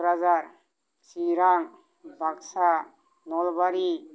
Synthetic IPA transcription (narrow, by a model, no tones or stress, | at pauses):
ɾazaɾ | siɾaŋ | bʱaksa | nɔlbaɾi